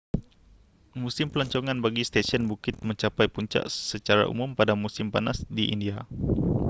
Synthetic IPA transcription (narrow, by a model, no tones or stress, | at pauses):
musɪmpəlɔɲt͡ʃɔŋanbaɡist̪esiɔnbukɪt̪̚məɲt͡ʃapajpuɲt͡ʃa̰ʔsət͡ʃaɾa̰ʔṵmʊmpadamusɪmpanasdiʔḭndia